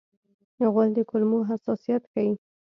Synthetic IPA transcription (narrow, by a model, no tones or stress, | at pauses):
jaɣald̪əkʊlmoɦasɑsijat̪kawi